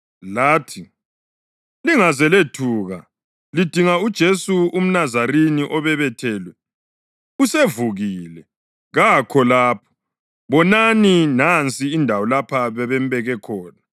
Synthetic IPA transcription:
laːtʰi | liŋazɛletʰuːɣa | lid̥ʱiŋaud̥ʒ̥ʱesuum̩nazaɾeniʔɔβɛβɛtʰɛːlwɛ | usevuɣiːlɛ | ɣakʰɔlaːpʰɔ̥ | βɔnaninant͡sʼiːndʱawɔlapʰaβɛβɛm̩βɛɣɛkʰɔːna

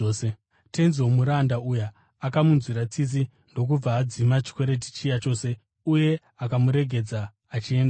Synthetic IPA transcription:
se | tenzomuɾandaujaː | kamunzwiɾat͡sis̬i | ndo̞k̬ub͡vaːd͡zimat͡ʃi̥kwe̞ɾet̬i̥t͡ʃijat͡ʃo̞ːse̞ | uje̞ | akamuɾe̞ɡʱe̞d͡zaː | t͡ʃieːndaa

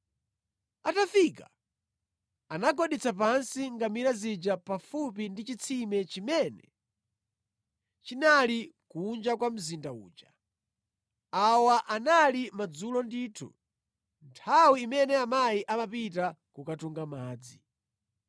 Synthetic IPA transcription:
atafika | anaɡɔɗit͡sʰap̬ansiŋɡamiɾazid͡ʒapafupindit͡ʃit͡sʰimɛt͡ʃimɛnɛ̰ | t͡ʃinalikund͡ʒakwam̩zindaṵːd͡ʒa | awaʔanalimad͡zulɔndiːtʰṵ | ntʰawiːmɛnɛamajiʔamapitakukatuŋɡamaːd͡zi

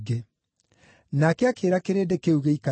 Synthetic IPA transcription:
ɡe | nakeakeːɾakeɾedekeuɣeika

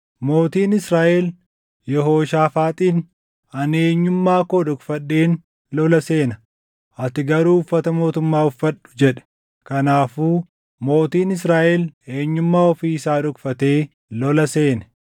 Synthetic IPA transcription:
mo̞ːt̪iːnɪsɾaːʔɛl | jɛɦo̞ːʃaːfaːt̪ʼiːn | ɐneːɲːʊmːaːkoːᶑʊkfɐɗːeːn | lɔlɐseːnɐ | ʔɐt̪ɪɡɐɾuːʊfːɐt̪ɐmo̞ːt̪ʊmːaːʊfːɐɗːʊ̥d͡ʒɛᶑɛ̥ | kɐnaːfuː | mo̞ːt̪iːnɪs̬ɾaːʔɛle̞ːɲːʊmːaːɔfiːɪsaːᶑʊkfɐt̪eː | lɔlɐse̞ːnɛ̥

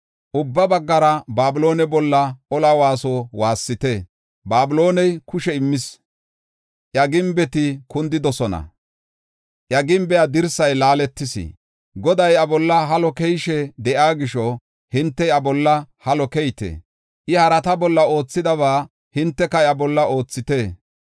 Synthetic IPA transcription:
ʔʊbːɐbɐɡːɐɾɐbaːbɪlo̞ːnɛbɔlːɐɔlawaːsɔwaːsːɪt̪ɛ | baːbɪlo̞ːnɛjkʊʃɛɪmːɪs | ʔjɐɡɪmbɛt̪ɪkʊnd̪ɪd̪ɔsɔnɐ̰ | ʔjɐɡɪmbɛjad̪ɪɾsɐjlaːlɛt̪ːɪsɪ̰ | ɡɔd̪ɐjɐbɔlːɐɦɐlɔkɛjʃɛd̪ɛʔaːɡɪʃɔ | hɪnt̪ːɛjɐbɔlːɐhɐlɔkɛjt̪ḛ | ʔɪhɐɾɐt̪ɐbɔlːɐo̞ːt͡sːɪd̪ɐβaː | hɪnt̪ːɛkɐɐbɔlːɐo̞ːt͡sːɪt̪eː

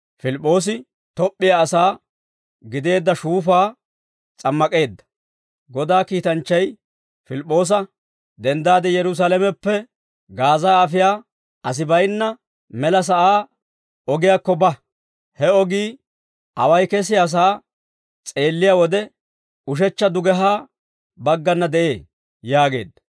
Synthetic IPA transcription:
fɪlɪpʼːo̞ːs̬ɪ | t̪ɔpʼːɪjaːsaː | ɡɪd̪e̞ːd̪ːɐʃuːfaː | t͡sʼɐmːɐkʼe̞ːd̪ːɐ̥ | ɡɔd̪aːkiːt̪ɐnt͡ʃːɐj | fɪlɪpʼːo̞ːs̬ɐ | d̪ɛnd̪aːd̪ɛjɛɾʊs̬alɛmɛpːɛ | ɡaːzaːɐfɪjaː | ʔɐs̬ɪbɐjnːɐ | mɛlɐs̬ɐʔaː | ɔɡɪjaːkːɔbɐ | hɛɔɡiː | ʔɐwɐjkɛs̬ɪjaːs̬aː | t͡sʼe̞ːlːɪjaːwɔd̪ɛ | ʊʃ̬ɛt͡ʃːɐd̪ʊɡɛɦaː | bɐɡːɐnːɐd̪ɛʔe̞ː | jaːɡe̞̰ːd̪ːɐ̥

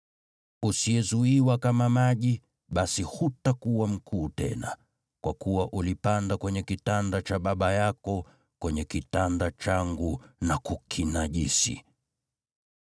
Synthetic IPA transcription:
usiɛzuiwakamamaʄi | ɓasihutakuwam̩kʰuːtɛ̰na̰ | kwakuwaʔulipandakwɛɲɛkitandat͡ʃaɓaɓajakɔ | kwɛɲɛkitandat͡ʃaŋɡunakukʰinaʄisḭ

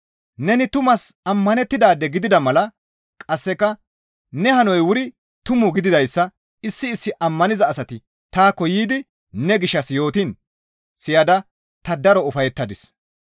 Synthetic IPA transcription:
nɛnɪt̪ʊmɐsɐmːɐnɛt̪ːɪd̪aːd̪ɛɡɪd̪ɪd̪ɐmɐlɐ | kʼɐsːɛkːɐ | nɛhɐnɔjwʊɾɪ | t̪ʊmʊɡɪd̪ɪd̪ɐjsːɐ | ɪsːɪːsːɪʔɐmːɐnɪzɐːsɐt̪ɪ | t̪aːkːɔjiːd̪ɪ | nɛɡɪʃːɐsjo̞ːt̪in | sɪjɐd̪ɐ | t̪ɐd̪ɐɾɔʊfɐjɛt̪ːɐd̪ɪs

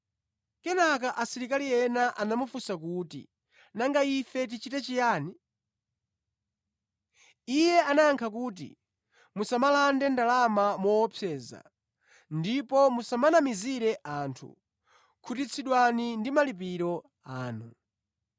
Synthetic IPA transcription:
kɛnakaʔasiɾikalijɛnaʔanamufusakuːtḭ | naŋɡaifɛt̬it͡ʃitɛt͡ʃijaːni | ijɛanajaŋkʰakuːt̬ḭ | musamalandɛndalamamɔwɔpʰɛːza̰ | ndipɔmusamanamiziɾɛʔaːntʰṵ | kʰutit͡sʰiɗwanindimalip̬iɾɔ | aːnu

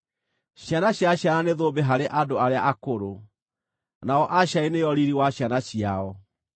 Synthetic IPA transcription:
ɕjanaɕjaɕjananeðoːbeɦaɾeʔadoaɾeaʔakoɾo | naɔʔaɕainejɔɾiɾiwaɕjanaɕiaɔ

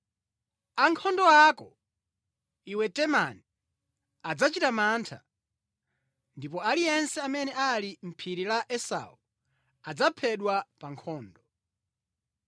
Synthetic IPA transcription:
aŋkʰɔndɔakɔ̰ | iwɛtɛmani | ad͡zat͡ʃitamantʰa̰ | ndipɔalijɛnsɛamɛnɛalim̩pʰiɾilaʔɛsa̰u | ad͡zapʰɛɗwapaŋkʰɔːndɔ

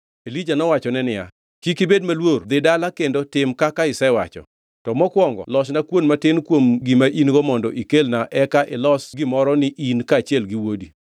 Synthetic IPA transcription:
elid͡ʒanɔwat͡ʃɔnɛnɪja̰ | kikɪbed̚malword̪ɪdalakendotɪmkakaɪsɛwa̰t͡ʃɔ̰ | tɔmɔkwɔŋɡɔ̰lɔʃnakwonmatɪnkwomɡimaʔinɡɔmɔndɔʔikelnaʔɛkaʔɪlɔsɡɪmɔɾɔnɪʔinkaːt͡ʃjɛlɡɪwodi

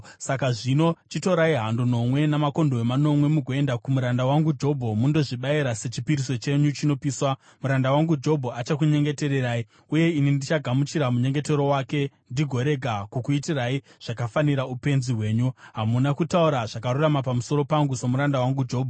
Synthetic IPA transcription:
sakaʐino̞t͡ʃito̞ɾaiɦanduno̞mwe̞namako̞ndowemano̞mwe̞muɡʱoe̞ndakumuɾandawaŋɡud͡ʒo̞bʱo̞mundo̞ʐiɓaiɾase̞t͡ʃipiɾiso̞t͡ʃe̞ɲut͡ʃino̞piːswa | muɾandawaŋɡud͡ʒo̞bʱoat͡ʃakuɲe̞ŋɡe̞te̞ɾeɾaːi | uje̞inindit͡ʃaɡʱamut͡ʃiɾamuɲe̞ŋɡe̞te̞ɾo̞waːke̞ | ndiɡʱo̞ɾe̞ɡʱakukuitiraiʐ̥akafaniɾaupe̞nziwe̞ːɲuɦamunakutauɾaʐakaɾuramapamuso̞ɾo̞paŋɡusemuɾandawaŋɡud͡ʒo̞ːbʱo

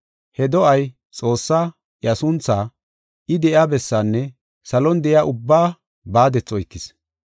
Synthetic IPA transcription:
hɛd̪ɔʔɐj | t͡sʼo̞ːsːaː | jɐsʊnt͡sːaː | ʔɪd̪ɛʔjaːbɛsːaːnːɛ | sɐlɔnd̪ɛʔɪjaːʔʊbːaː | baːd̪ɛt͡sʼːɔɪkːɪs

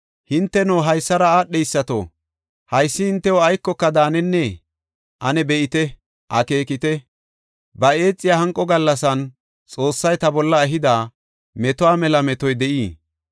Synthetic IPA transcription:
hɪnt̪ːɛnoːɦɐjsːɐɾɐaːɗːɛjsːɐt̪o̰ | hɐjsːɪhɪnt̪ːɛwɔɐjkːɔkːɐd̪aːnɛnːɛ | ʔɐnɛbɛʔɪt̪ɛ | ʔɐke̞ːkɪt̪ɛ | bɐe̞ːt͡sʼːɪjaːhɐŋkʼːɔɡɐlːɐsɐn | t͡sʼo̞ːsːɐjt̪ɐbɔlːɐɛɦɪd̪aː | mɛt̪ɔwaːmɛlɐmɛt̪ɔjd̪ɛʔiː

